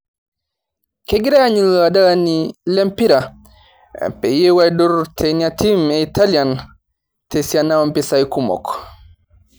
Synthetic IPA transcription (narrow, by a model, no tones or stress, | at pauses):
keɡiɾɛjaɲizwadalanilɛmpiɾa | pɛjɛwajdɔɾtʰɛɲatimɛitalian | tesianawampɛsajkumɔ̰k